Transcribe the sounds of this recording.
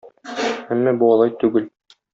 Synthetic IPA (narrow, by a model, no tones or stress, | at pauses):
æmːæbuɒlˠɑjt̪ʉɡɘl